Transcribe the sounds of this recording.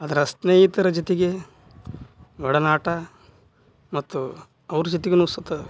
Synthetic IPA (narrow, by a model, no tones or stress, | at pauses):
ɐd̪ɐɾɐsnɐjit̪ɐɾɐd͡ʒɐt̪iɡe | ʋɐɽɐnaːʈɐ | mɐt̪ːu | ɐʋɾud͡ʒɐt̪iɡenuːsɐt̪ːɐ